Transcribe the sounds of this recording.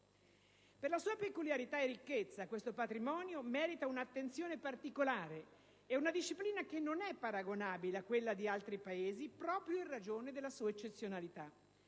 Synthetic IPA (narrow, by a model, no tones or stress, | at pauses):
perlasuːapekuljaɾit̪aerːikːet̪sːakwest̪opat̪ɾimɔːnjomɛːɾit̪aunat̪ːent̪sjoːnepart̪ikolaːɾe | ɛunad̪iʃːipliːnakenːonɛpːaɾaɡonaːbileakwelːad̪ialt̪ɾipaeːzipɾɔːpɾjoĩnrad͡ʒoːned̪elːasuːaet͡ʃːet̪sːjonalit̪a